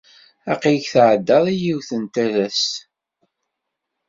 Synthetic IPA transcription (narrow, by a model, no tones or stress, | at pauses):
ɑqiʝθʕəd̪ːɑðˤijiwθənt̪ælæs